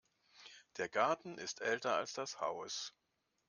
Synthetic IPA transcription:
d̥eːɐɡaɐtn̩ʔɪstʰʔɛltɐa̰lsd̥asha̰ʊs

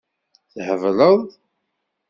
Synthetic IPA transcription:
θhəvləðˤ

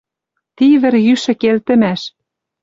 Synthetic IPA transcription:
t̪iβɘ̆rjyʃɘ̆kelt̪ɘ̆mæʃ

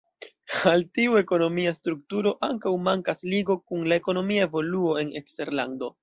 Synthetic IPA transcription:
altiue̞ko̞no̞miastɾuk̚tuɾo̞ʔaŋkawmaŋkasliɡo̞kunlae̞ko̞no̞miaevo̞luo̞e̞nḛkste̞ɾla̰ndo̞

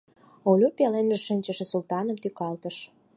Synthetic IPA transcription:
olʲupelenʒəʃənʲt͡ɕəʃĕsult̪ɑnəmt̪ykɑlt̪əʃ

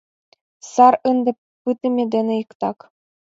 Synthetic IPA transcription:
sɑɾɤnd̪ɘ̆p | pɯt̪ɘ̆mʲed̪ʲĕnʲɘ̆jɤkt̪ɑk

